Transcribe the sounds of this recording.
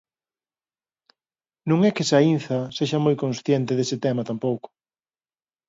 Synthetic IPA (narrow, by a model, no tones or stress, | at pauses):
nũŋɛkesainθɐseʃɐmojkõnsθjent̪ɪðesɪt̪ɛmɐt̪ampowkʊ̥